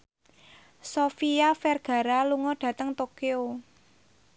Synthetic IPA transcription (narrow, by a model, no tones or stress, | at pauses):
sofiafɛrɡ̥a̤ɾaluŋɔɖ̥ä̤t̪əŋt̪okeo